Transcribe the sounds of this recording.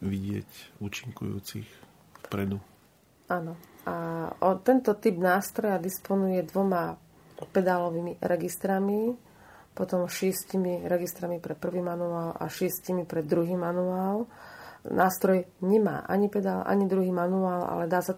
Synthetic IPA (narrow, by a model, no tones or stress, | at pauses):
ʋiɟɪɛ̰cuːt͡ʃiŋkṵjṵːt͡sḭx | fpɾɛd̪u | aːnɔaɔt̪ɛnt̪ɔt̪ibnaːst̪ɾɔjad̪ispɔnujɛd̪ʋɔma | pɛd̪alɔʋiːmiɾɛɡist̪ɾami | pɔt̪ɔmʃɪɛscimiɾɛɡist̪ɾamipɾɛpr̩ʋiːmanuaːla̰ʃɪɛscimipɾɛd̪d̪ːɾuɦiːmanuaːl | nʔaːst̪ɾɔjɲɛma̰ːʔa̰ɲipɛd̪aːlʔa̰ɲid̪ɾuɦiːmanuaːlʔa̰lɛd̪aːsa